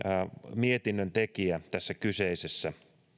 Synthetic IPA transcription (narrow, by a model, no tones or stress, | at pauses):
miet̪inːønt̪ekiæt̪æsːækyseisesːæ